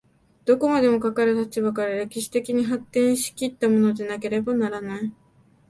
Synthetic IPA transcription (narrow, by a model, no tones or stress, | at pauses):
d̪̥o̞ko̞mad̪e̞mo̞kakaɾɯ̟t̪at͡ɕibakaɾaɾe̞kʲiɕi̥t̪e̞kʲiɲ̟iɦat̪ːẽ̞ɰ̃ɕi̥kʲit̪ːamo̞no̞danake̞ɾe̞banaɾanai